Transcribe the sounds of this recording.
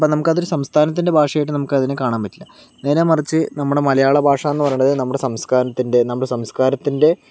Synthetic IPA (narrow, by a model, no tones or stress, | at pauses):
ponɐmukːɐðoɾusɐmst̪ʰaːnɐt̪̬ːinde̞bʱaːʂɐjajiʈ̬ːɨnɐmukːɨɐðinɨkaːɳaːmpɐtːilːɐ | ne̞ːnemɐrit͡ɕːɨnɐmːuɽe̞mɐlɐjaːɭɐbʱaːʂɐenːpɐrɐjːɳɖɐðɨnɐmːuɽesɐmskaːɾɐt̪ːinde̞nɐmːuɽesɐmskaːɾɐt̪ːinde̞